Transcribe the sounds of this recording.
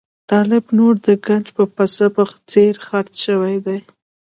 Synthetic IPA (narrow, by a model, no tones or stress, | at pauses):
t̪ɑlɪbnoɾd̪əɡand͡ʒpəpasəpaxt͡seɾxaɾt͡sʃəwajd̪aj